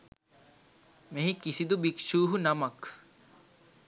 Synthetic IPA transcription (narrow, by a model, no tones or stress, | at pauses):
meɦikisid̪ubikʃuːɦunɐmɐk